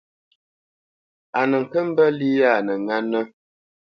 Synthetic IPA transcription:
a˨nə˨ŋ̩˨kə˦m̩˦bə˦li˦ja˦˨nə˨ŋa˦nə˦

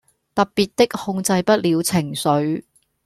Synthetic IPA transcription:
t̪ɐ˨ppiː˨t̚t̪ɪ˥k̚hʊ˧ŋt͡sɐ˧jpɐ˥t̚liː˨˧wt͡sʰɪ˨˩ŋsɵ˨˥ɥ

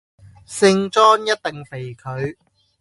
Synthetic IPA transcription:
sɪ˧ŋt͡sɔː˥njɐ˥t̚t̪ɪ˨ŋfe˨˩jkʰɵ˨˧ɥ

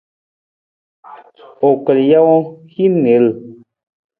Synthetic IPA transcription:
o˨kə˨lja˦wɔ˦hi˦ne˨˦l

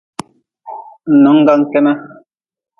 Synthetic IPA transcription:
n̩˨nɔ˨˦ŋ˦ɡa˦ŋ˦kɛ˦na˦

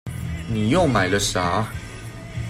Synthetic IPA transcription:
ni˨˩jo˥˨ʊma˨˩ɪlə˨ʂa˨˦

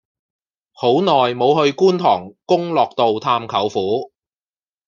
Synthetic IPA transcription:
ho˨˥wnɔː˨jmo˨˧whɵ˧ɥkuː˥nt̪ʰɔː˨˩ŋkʊ˥ŋlɔː˨k̚t̪o˨wt̪ʰaː˧mkʰɐ˨˩wfuː˨˥

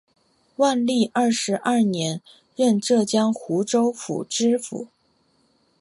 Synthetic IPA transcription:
wa˥˧nli˥˩ʔɐ˥˩ʂɻ̩˧˥ʔɐ˥˩njɛ˧˥n | ɻə˥˧nʈ͡ʂɤ˥˩t͡ɕjɑ˥ŋxu˧˥ʈ͡ʂo˥ʊfṵ˨˩ʈ͡ʂɻ̩˥fṵ˨˩˦

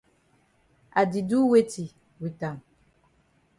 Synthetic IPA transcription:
a˨di˨du˦we˦ti˨ | wi˨ta˨m

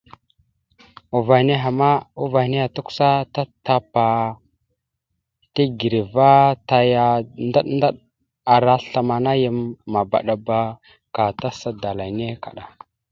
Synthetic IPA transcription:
u˨va˨ne˦ɦa˨ma˦u˦va˨ne˦ja˨tu˦ku̥˦sa˦ta˦ta˦pa˨ | ti˦ɡi˨ɾi˨va˦ta˨ja˨nda˦ɗnda˦ɗ | a˨ɾa˦ɬa˨ma˨na˦jə˦mːa˨ba̰˨ɗa˨ba˦ | ka˨ta˦sa˦da˨la˨jne˦ka̰˨ɗa˨

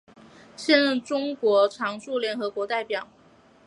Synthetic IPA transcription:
ɕjɛ˥˧nɻə˥˩ŋʈ͡ʂʊ˥ŋkwɔ˧˥ʈ͡ʂʰɑ˧˥ŋʂu˥˩ljɛ˧˥nxɤ˧˥kwɔ˧˥t̪a˥˩ɪpjɑ˨˩˦ʊ

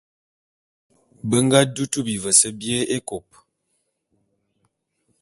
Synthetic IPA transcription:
bə˦ŋ˦ɡa˦du˦tu˦bi˨və˨sə˦bje˦e˦ko˨p̚

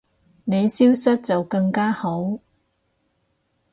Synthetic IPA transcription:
ne˨˧jsiː˥wsɐ˥t̚t͡sɐ˨wkɐ˧ŋkaː˥ho˨˥w

